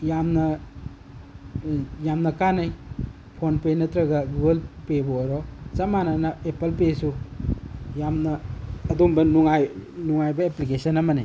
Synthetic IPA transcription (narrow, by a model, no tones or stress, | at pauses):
jamnɐ | jamnɐkanɐj | pʰonpenɐtɾɐɡɐɡuɡɐlpeboɾɔt͡ʃɐmanɐnɐepɐlpesu | jamnɐːdumbɐnuŋajnuŋajbɐeplikesɐnɐmɐnij